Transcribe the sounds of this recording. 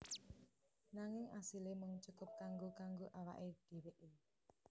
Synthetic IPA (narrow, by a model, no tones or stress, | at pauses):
naŋɪŋasilemʊŋt͡ʃukʊp̚kaŋɡokaŋɡoʔawa̰ʔed̥e̤weʔe